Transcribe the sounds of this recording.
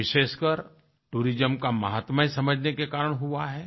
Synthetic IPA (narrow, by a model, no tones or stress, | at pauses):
ɪʃeːʃkəɾ | ʈuːɾɪd͡ʒəmkamɐ̰ɦaːt̪məjsɐməd͡ʒʱnekekaːɾəɽ̃ɦʊaɦɛː